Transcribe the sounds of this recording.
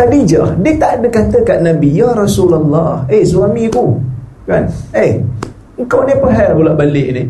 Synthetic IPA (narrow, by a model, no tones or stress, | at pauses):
t̪adid͡ʒahdiət̪aʔadəkat̪əkaʔnãbijaɾasulalːɑhesuamĩku | kane | əŋkawnɪpaɦalbulaʔbalɪʔnɪ